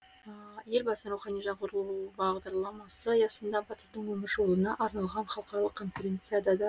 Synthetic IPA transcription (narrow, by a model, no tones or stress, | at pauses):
əje̞lʲbɑsənɾuχɑnijʒɑɴqʰʊɾəlˠubɑʁd̪ɑɾlˠɑmɑsəjɑsənd̪ɑbɑt̪əɾd̪əɴwɵmɪɾʒo̞lˠənɑʔɑɾnɑlˠʁɑnχɑlˠəqɑɾɑlˠəqkʰːo̞nfʲeɾʲe̞nt̪sɨjad̪ɑd̪ɑ